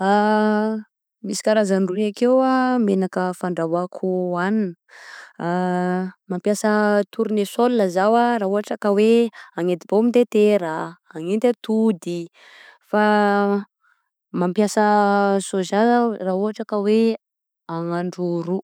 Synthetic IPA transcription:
a | misi̥kaɾazanruiakewamenakəfaɳɖ͡ʐavakʰuaninə | mampjasət̪ʰuɾunesolnəzawaraɦuɦaʈ͡ʂakəweaŋet̪ib̥omint̪et̪eɾaaŋent̪ʲat̪ud̪i | fa | mampjasəsozaraɦuɦaʈ͡ʂakəwe | aŋaɳɖ͡ʐuɾu

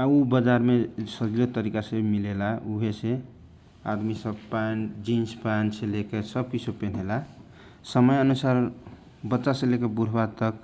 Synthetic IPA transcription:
aubəd͡ʒaɾmesəd͡ʒilot̪əɾikasebmilelauɦese | a̰d̪misəbpand͡ʒinspansʰelekesʌb̚kisʰopenɦela | səməjənusaɾ | bətːt͡ʃasẽlekebuɾ̤ʱbat̪ək̚

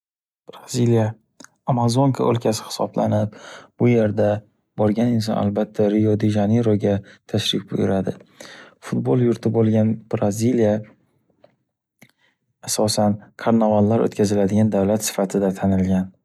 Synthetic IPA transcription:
b̥ɾazilija | amazoŋkʰa̰ʔɵ̰lkʰʲasɪ̥hɪ̥sɒ̰bla̰nɪp̚b̥ʊje̞ɾd̪a | bɒɾɡʲanɪnsɒ̰na̰lbat̪ʰːaɾɪjɒd̪iʒaneɾoɡʲat̪ʰaʃɾɪk̚ʲbʊjʊɾad̪ɪfʊt̪̚bolˠjʊɾt̪ʰɪbolˠɡʲanb̥ɾazilija | sɒsankʰaɾnavalːaɾo̰t̪kʲʰazɪlad̪ɪɡʲand̪avlat̪sɪ̥fat̪ʰɪd̪at̪ʰanɪlɡʲan

